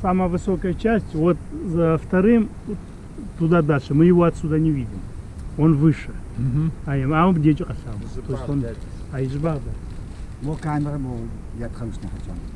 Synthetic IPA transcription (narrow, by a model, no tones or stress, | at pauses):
samajvɨsokɐjɐt͡ʃʰasʲtʲwot̪̚zɐft̪ʰɐɾɨm | t̪ʰːud̪ad̪aɬɐmɨjɪvoat̪sud̪anʲivʲidʲimonvɨʂɐ | ajɐmamɨbd̪ʲet͡ʃʼiqʼɐɬamɐt̪ʰojsʲtonajɪʒbaʁd̪ɐmokʰanɐɾɐmo | jat̪χɐwsnɐħat͡ʃʼa̰n